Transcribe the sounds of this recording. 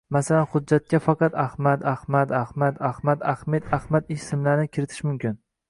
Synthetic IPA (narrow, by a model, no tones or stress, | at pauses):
masalanhʊd̪̚d͡ʒːat̪̚kʲafɑqɑt̪ahmat̪ahmat̪ahmad̪ahmad̪ahmed̪ahmat̪ɪʃsɪmlaɾnɪkʲʰɪɾɪt̪ʰɪ̥ʃmʊmkʲɪn